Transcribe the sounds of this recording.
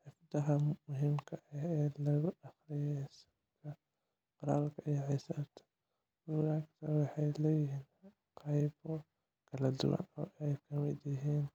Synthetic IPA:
ħɪfd̪ɐɦɐmʊɦɪmkʰɐɛɛlɐɣʊɑxlɪjɛsɐ | kʰɐ | qɑɾa̰ːlkʰɐijʕɪsaɾt̪ʰɐ̥ | ʊɣakt̪ʰɐwɑħɑjlɛjɪɦiːn | qɑjbɔ | kʰɐlɐd̪ʊ̰wɐ̰nɔ̰ːɛjkʰɐmɪd̪jɪɦiːn

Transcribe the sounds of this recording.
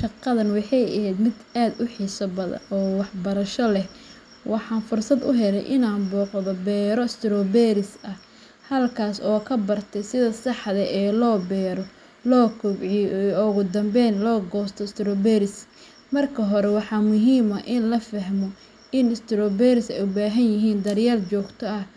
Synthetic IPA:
ʃɑqːɐðɐnwɑħɑjɐhɛjd̪mɪd̪aːd̪ʊħɪsɐbɐðɐ̰nɔːwɑħbɐɾɐʃɔlɛh | wɑħɑːnfʊrsɐd̪ʊ̰ɦɛlɛ̰jʔɪnaːnbɔːqðɔbɛːɾɔɪst̪ɪɾɔbɛːɾɪsɐh | hɐlkʰaːsɔːkʰɐbɐrt̪ʰɛjsɪðɐsɑħðɛʔɛːlɔːbɛːɾɔ | lɔːkʰʊbʕiɔʊɣʊd̪ɐmbɛnlɔːɡɔːst̪ʰɔst̪ʰɪɾɔːbɛːɾɪs | mɐrkʰɐɦɔɾɛwɑħɑːmʊɦiːmɐʔɪnlɐfɐɦmɔ | ɪnɪst̪ʰɪɾɔːbɛɾɪsɛjʊbaːɦɐnjɪɦiːnd̪ɐɾjaːrt͡ʃɔːɡt̪ʰɔɐh

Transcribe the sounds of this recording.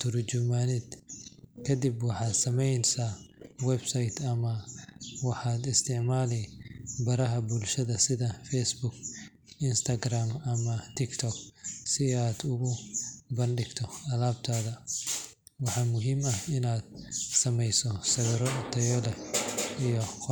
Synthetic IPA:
t̪ʰʊɾd͡ʒʊmaːnɪd̪kʰɐd̪ibwɑħɑːd̪sɐmɛjnsawɛbsɐjt̪ʰɐmɐwɑħɑːd̪ɪst̪ʰɪʕmaːlɛbɐɾɐɦɐbʊlʃɐðɐsɪðɐfɛsbʊk | ɪnst̪ʰɐɡraːmɐmɐt̪ʰɪkt̪ʰɔk̚sɪaːd̪ʊɣʊbɐnɖɪɡt̪ʰɔɐlaːbt̪ʰaːðɐ | wɑħɑːmʊɦiːmɐhɪnaːd̪̥̚sɐmɛjsɔsɐɣɐɾɔt̪ʰɐjɔlɛijɔ

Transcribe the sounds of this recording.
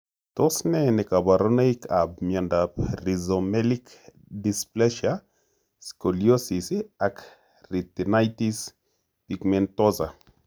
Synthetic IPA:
tosnɛnɛkabaɾɔnaikʰab̚mjandaprizomɛlik | displɛʃa | skoliosisiak | ritinajtis | pikmɛntɔsa

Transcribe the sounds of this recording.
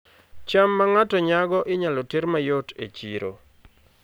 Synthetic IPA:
t͡ʃamːaŋatɔɲaɡɔʔɪɲalɔtɪɾmajotḛt͡ʃḭɾo̰

